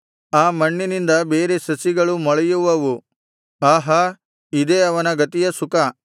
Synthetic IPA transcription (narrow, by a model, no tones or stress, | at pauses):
aːmɐɳːinind̪ɐbeːɾesɐsiɡɐɭumɔɭɐjuʋɐʋu | aːɦɐ | id̪eɐʋɐnɐɡɐt̪ijɐsuka